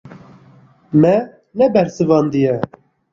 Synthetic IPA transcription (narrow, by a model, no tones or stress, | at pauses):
mɛ | nɛbɛɾsɨvɑːnd̪ijɛ